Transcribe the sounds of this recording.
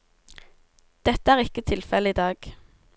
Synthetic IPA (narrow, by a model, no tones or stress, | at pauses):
d̪̥ɛt̪əæːʁɪkət̪ʰɪlfɛləiːd̪ɑːɡ̥